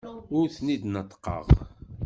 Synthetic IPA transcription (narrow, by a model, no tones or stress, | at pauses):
ʊɾθnid̪nət̪ːə̥qːə̰ʁ